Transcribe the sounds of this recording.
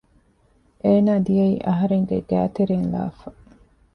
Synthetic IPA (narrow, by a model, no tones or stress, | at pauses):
ʔeːnaːd̪ijɐiːʔɐɦɐɾeŋɡḛɡæ̰ːt̪eɾeːnla̰ːfɐ